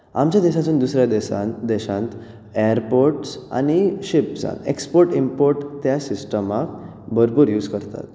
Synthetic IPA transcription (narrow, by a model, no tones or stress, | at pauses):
amt͡ɕjad̪eɕat̪uːnd̪usɾjad̪ɛsã̰nd̪ɛɕãnt̪ | ɛəɾpoɾʈsa̰ñiɕipd͡zã̰nḛkspoɾʈimpoɾʈt̪jasisʈəmak | bʱəɾpuːɾjuːd͡zkəɾt̪a̰t̪